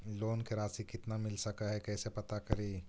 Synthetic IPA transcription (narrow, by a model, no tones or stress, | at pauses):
loːnkeɾaːsikɪt̪namɪlsɐkaɦɛkɛːsepɐt̪akɐɾiː